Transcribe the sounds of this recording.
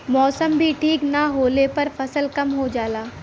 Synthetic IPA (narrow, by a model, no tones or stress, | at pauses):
mɔːsəmbʱiʈʰiːknaɦoːlepɐɾfʰɐsəlkɐmɦod͡ʒaːlaː